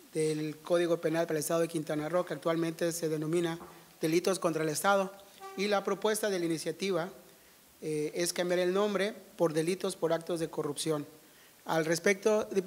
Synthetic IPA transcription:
ðelko̞ðiɣo̞pe̞nalpaɾalest̪aðoekint̪anaro̞kaak̚t̪walmẽnt̪e̞se̞ðe̞no̞mĩnað̥e̞lit̪o̞sko̞nt̪ɾaelest̪að̞o̞ilapɾo̞pwe̞st̪aðe̞lainisjat̪iβa | eskambjaɾe̞lnõ̞mbɾe̞po̞ɾðe̞lit̪o̞spo̞ɾak̚t̪ozðe̞ko̞rupsjo̞n | alrespek̚t̪o

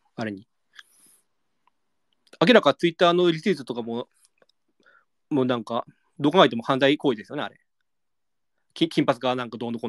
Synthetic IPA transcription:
aɾe̞ɲ̟i | ak̬ʲiɾakat͡sɨit̪ːaːno̞ɾʲit͡sɨːt̪ot̪o̞kamo | moːnãŋka | d̪o̞ːkãŋɡait̪e̞mo̞hãnd̪aiko̞ːid̪e̞sɨjo̞ne̞a̰ɾe̞ | kʲĩkʲĩmpat͡sɨɡanãŋkad̪oːnoko

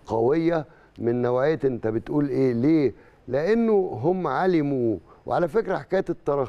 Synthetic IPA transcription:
qɑwejːæ | mɪnːæwæjt̪ʔent̪æbet̪ʔuːlʔeːleː | leʔenːoɦomːʕalɪmuːwḛʕalæfekɾæħḁkæjt̪et̪ˤːɑɾˤɑ

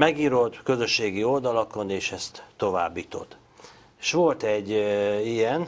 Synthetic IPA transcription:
mɛɡiːɾot̪kø̞zøʃːeːɡio̞ld̪ɒlɒko̞neːʃɛst̪ːo̞va̰ːbːit̪o̞̰t̪ | eʃʋo̞lt̪ɛɟːijɛn

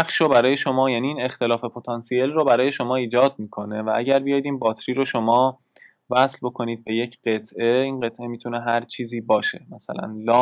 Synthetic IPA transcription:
æχʃobæɾɒːje̞ʃo̞mɒːjæːniːiːnext̪e̞lɒːfe̞pʰot̪ʰɒnsie̞lrobæɾɒːje̞ʃo̞mɒːiːd͡ʒɒːd̪̚miːkʰo̞ne̞væʔæɟæɾbijɒjid̪iːmbɒːt̪ʰɾiːɾoʃo̞mɒː | væslbo̞kʰo̞niːd̪̚be̞je̞cʰɢe̞t̪ʰʔe̞iːnɢe̞t̪ʰʔe̞mit̪ʰune̞ɦæɾt͡ʃʰiːziːbɒːʃe̞̰mæsæ̰læ̰nlɒː

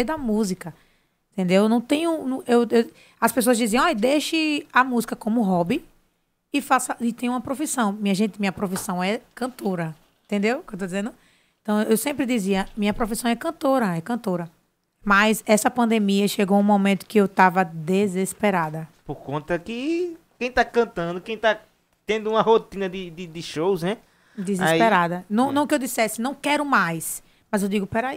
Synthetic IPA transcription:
d̪ɐmuzikɐ | ẽt̪ẽd̪ewnɐ̃w̃t̪ẽj̃unũewew | ɐspes̬oɐzd͡ʒ̪iziɐ̃ɔjd̪eʃɪamuzikɐkõmʊɦɔbi | ɪfasɐʔit̪ẽj̃ũmɐpɾofisɐ̃w̃mĩɲɐʒẽnt̪ɪmĩɲɐpɾofisɐ̃w̃ɛkɐ̃t̪oɾɐ | ẽt̪ẽnd̪ewkewt̪od̪izẽnd̪ʊ | ẽt̪ɐ̃w̃ewsẽmpɾɪd̪iziɐmĩɲɐpɾofisɐ̃w̃ɛkɐ̃nt̪oɾɐɛkɐ̃t̪oɾɐ | majsɛsɐpɐ̃nd̪emiɐʃeɡowũmomẽnt̪ʊ̥kɪewt̪avɐd̪ezespeɾad̪ɐpoɾkõnt̪ɐkɪkẽj̃t̪akɐ̃nt̪ɐ̃nd̪ʊkẽj̃t̪a | t̪ẽnd̪ʊũmɐhot̪ĩnɐd̪ɪd̪ɪd̪ɪʃowznɛ | d̪ezespeɾad̪ɐnɐ̃w̃nɐ̃w̃kɪewd̪isɛsɪnɐ̃w̃kɛɾʊmajs | mɐzewd̪iɡʊpɛɾai

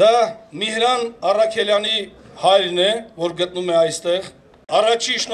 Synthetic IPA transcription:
d̪ɑmihɾɑnɑrɑkʰɛljɑnihɑjɾnɛvɔɾɡət̪̚numɛɑjst̪ɛʁ | ɑrɑt͡ʃʰiʃ

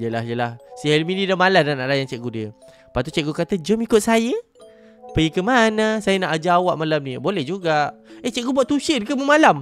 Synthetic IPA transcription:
jəlaɦijəlahsialminidamalananaʔlajant͡ʃɛʔɡudiə | paʔt̪ut͡ʃɛʔ̚ɡokat̪əd͡ʒomikʊt̪̚sajə | pəjəkəmanasajənaʔad͡ʒaːwaʔmalamnĩbolɛhd͡ʒuɡaʔet͡ʃɛʔɡubuaʔt̪uʃədkəməmalam

